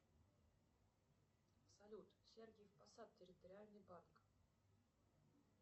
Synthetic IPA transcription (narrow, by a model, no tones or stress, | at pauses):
sɐlʲut̪sʲerɡʲɪjfpɐsat̪̚tʲːɪɾʲɪt̪əɾʲɪalʲnɨjbank